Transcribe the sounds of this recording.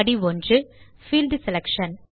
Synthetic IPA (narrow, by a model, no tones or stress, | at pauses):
ɽiʋɔndrɯ | fild̪sɛlɛkʂɐn